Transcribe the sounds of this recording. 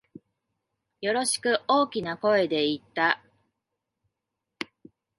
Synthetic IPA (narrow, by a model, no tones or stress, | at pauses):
jo̞ɾo̞ɕi̥kɯ̟ʔo̞ːkʲinako̞e̞d̪e̞it̪ːa